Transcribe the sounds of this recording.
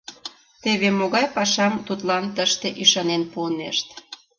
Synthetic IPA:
t̪eβemoɣɑjpɑʃɑmt̪ut̪lɑnt̪əʃt̪eʔyʃɑnenpuənḛʃt̪

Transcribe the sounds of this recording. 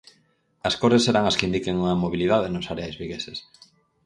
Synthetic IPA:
ɐskoɾðesːeɾaŋɐskɪind̪ikeŋuŋɐmoβiliðaðenʊsaɾeajzβiɣeses

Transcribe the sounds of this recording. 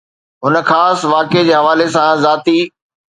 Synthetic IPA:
ɦʊnəxaːsʋaːked͡ʑeːɦɐʋaːlesãzaːt̪i

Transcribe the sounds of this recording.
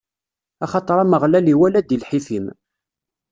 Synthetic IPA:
ɑχɑt̪ˤɾˤɑməʁlæliwælæd̪ilħiθim

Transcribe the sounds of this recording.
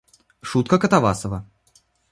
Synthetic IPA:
ʂut̪̚kəkət̪ava̰səvə

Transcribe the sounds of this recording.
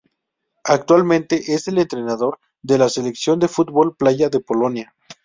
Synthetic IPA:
ak̚t̪walmẽ̞nt̪e̞ʔese̞le̞nt̪ɾe̞naðo̞ɾ | ðe̞lase̞le̞ksjo̞nd̪e̞fut̪̚βo̞lplaʝaðe̞po̞lo̞nja

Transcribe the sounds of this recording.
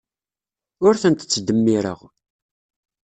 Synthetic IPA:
ʊɾθənt̪ə̥t͡sːd̪əmːiɾə̰ʁ

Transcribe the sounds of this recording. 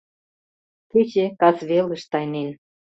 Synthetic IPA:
t̪it͡ɕekɑzβelə̆ʃt̪ɑjnen

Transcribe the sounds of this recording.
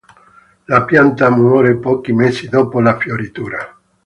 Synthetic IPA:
lapjant̪amwɔɾepɔkimesid̪opolafjoɾit̪uːɾa

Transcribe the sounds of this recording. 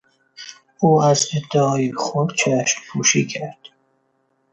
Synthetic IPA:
uːæzed̪ːɛɒːjixod̪t͡ʃʰæʃnpʰuːʃiːcʰæɾd̪̥

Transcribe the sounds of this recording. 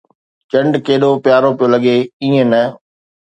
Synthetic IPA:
t͡ʃɐ̃ɳɖkeːɗopjaːɾopijolɐɠeĩːə̃nɐ

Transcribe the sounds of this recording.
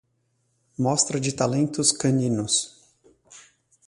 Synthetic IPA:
mɔst̪ɾɐd͡ʒɪt̪alẽnt̪ʊskɐ̃nĩnʊs

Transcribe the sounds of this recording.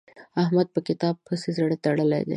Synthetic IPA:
ɐɦmɐd̪̚pɐkɪt̪aːb̚pʰɐsizɐɽet̪ɐɽɐlḛd̪ḛ

